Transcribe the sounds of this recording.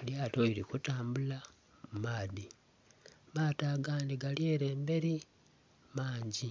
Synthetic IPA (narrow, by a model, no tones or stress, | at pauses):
ljaːtoiɾikutaːmbula | mmaːði | maːtaɡaːndiɡaljeːɾe̞ːmbe̞ɾi | maːɲɟi